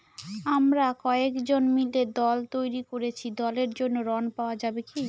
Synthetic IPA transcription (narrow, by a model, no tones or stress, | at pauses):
amɾakɔekd͡ʑonmiled̪ɔlt̪ojɾikoɾet͡ɕʰid̪ɔleɾd͡ʑonːoɾɔnpaoad͡ʑabeki